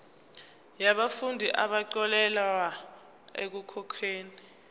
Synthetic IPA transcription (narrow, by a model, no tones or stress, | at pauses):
jaɓafundʱiʔaɓaǀɔlɛla | ḛk̬ukʰɔkʰeːni